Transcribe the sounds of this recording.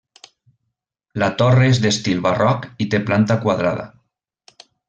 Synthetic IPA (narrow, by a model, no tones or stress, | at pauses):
lat̪oreezðest̪ilβarɔkit̪eplant̪akwaðɾa̰ða̰